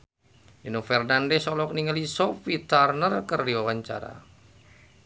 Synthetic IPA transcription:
dinofɛrnandɛsɔlɔkniŋəlisɔfit̪arnərkərdiɔwaɲt͡ʃa̰ɾa̰

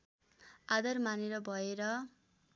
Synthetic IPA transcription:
ad̪ʌrmaneɾʌbʱʌeɾʌ

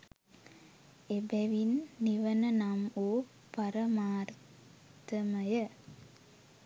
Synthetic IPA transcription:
ebæʋinːiʋənənamoː | paɾəmaːr | t̪əməjə

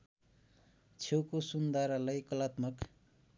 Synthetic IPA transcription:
t͡sʰewkosund̪ʱaɾalajkʌlat̪mʌk

